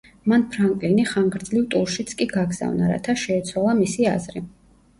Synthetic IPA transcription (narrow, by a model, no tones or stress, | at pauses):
manpʰɾaŋkʼliniχaŋɡɾd̪zlivt̪ʼuɾʃit̪sʰkʼiɡaɡza̰vnaɾa̰t̪ʰaʃɛːt̪sʰwalˠamisia̰zɾi